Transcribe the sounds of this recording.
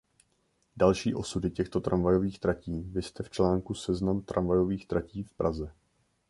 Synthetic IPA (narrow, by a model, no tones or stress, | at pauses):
dalʃiːʔo̞sudɪcɛxt̪o̞t̪ɾamvajo̞viːxt̪ɾaciːvɪst̪ɛft͡ʃlaːŋkusɛznamt̪ɾʔanvajo̞viːxt̪ɾaciːfpɾʔazɛ